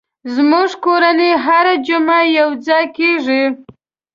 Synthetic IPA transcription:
zmuʐkoɾaneɦaɾad͡ʒʊmajawd͡zɑjkeʐi

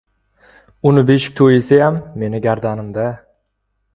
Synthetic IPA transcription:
ʊnɪbeʃɪk̚ʲt̪ʰojɪsɪjamːe̞nɪɡʲaɾd̪anɪmd̪a

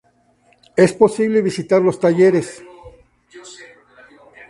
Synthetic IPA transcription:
e̞spo̞siβleβisit̪aɾlo̞st̪aʝeɾe̞s

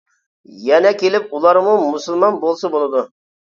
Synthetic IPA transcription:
jɛnɛkʲelɪp̚ulˠɑɾmumusɨlˠmɑnbolˠsɨbolˠɨd̪u

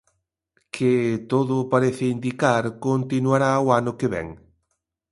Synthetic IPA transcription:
kʰɪt̪oðʊpaɾeθɪind̪ikaɾkont̪inwaɾawanʊkeβɛ̰ŋ

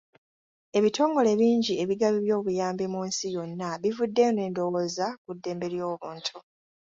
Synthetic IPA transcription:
e̞βitʰo̞ːŋɡo̞le̞βiːɲɟie̞βiɡaβiβjo̞ːβujaːmbimuːnsijo̞nːaβivudːe̞ne̞ːndo̞woːzakudːe̞ːmbe̞ɾjo̞ːβuːntʰu

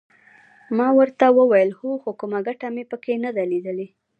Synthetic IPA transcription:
mɑwəɾt̪awəwajəlxuxokumaɡaʈamepəkenad̪aled̪əle

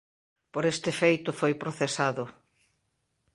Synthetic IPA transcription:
poɾest̪ɪfejt̪ʊfojpɾoθesaðʊ

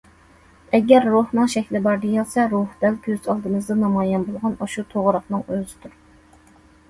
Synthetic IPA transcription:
ɛɡʲɛɾːuhnɨŋʃɛkʲlɪbɑɾd̪ejɑlˠsɛɾuhd̪̥ɛlɡʲøzɑlˠd̪ɨmɨzd̪ɑnɑmɑːjɛnbolˠʁɑnɑʃut̪ʰoʁɾɑqnɨŋøzɪd̪uɾ

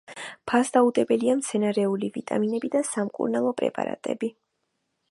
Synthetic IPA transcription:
pʰasd̪aud̪ʼɛbɛliamt̪sʰɛnaɾɛulivit̪ʼa̰minɛbid̪asamkʼṵɾnalˠɔpʼɾɛ̰pʼa̰ɾa̰t̪ʼɛ̰bi

